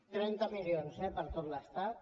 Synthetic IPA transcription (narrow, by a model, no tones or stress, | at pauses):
t̪ɾɛnt̪əmilionzɛpəɾt̪ot̪ləst̪at̪